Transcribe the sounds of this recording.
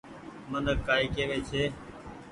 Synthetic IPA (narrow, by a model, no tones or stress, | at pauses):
mənəkaːiːkeːʋeːt͡ʃʰeː